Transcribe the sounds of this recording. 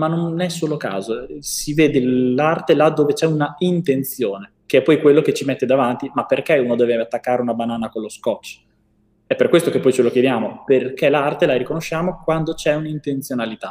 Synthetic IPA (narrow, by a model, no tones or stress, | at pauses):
manːonːɛsːoːloka̰ːzosiveːd̪elart̪elad̪ːoːvet͡ʃɛunaint̪ent̪sjoːne | keɛpːɔjkwelːoket͡ʃimet̪ːed̪avant̪imapːerkeunod̪ɛːveat̪ːakːaːɾeunabanaːnakolːoskɔt͡ʃː | ɛpːerkwest̪okepːɔjt͡ʃelokjed̪jaːmoperkelaart̪elaɾikonoʃːaːmokwand̪ot͡ʃɛunaint̪ent̪sjonalit̪a